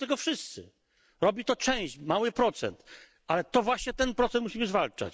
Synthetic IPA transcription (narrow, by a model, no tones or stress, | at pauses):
t̪ɛɡɔfʂɘst̪sɘ̰ | ɾɔbʲit̪ɔt͡ʂɛ̃w̃ɕt͡ɕmawɘpɾɔt̪sɛ̰nt̪ | ʔalɛt̪ɔvwaɕɲɛt̪ɛnpɾɔt̪ɛnt̪muɕimɘzvalt͡ʂa̰t͡ɕ